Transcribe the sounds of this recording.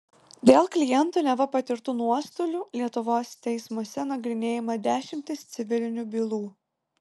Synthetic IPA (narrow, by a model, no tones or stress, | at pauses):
d̪ʲeːlˠklʲɪjɛnˑt̪unʲɛʋɐpɐt̪ʲɪɾt̪uːnuɔst̪oːlʲʊlʲiɛt̪ʊʋoːst̪ʲɛɪsmuɔsʲɛnɐɡɾʲɪnʲeːjɪmɐd̪ʲæːʃʲɪmʲt̪ʲɪst̪sʲɪʋʲɪlʲɪnʲubʲiːlˠuː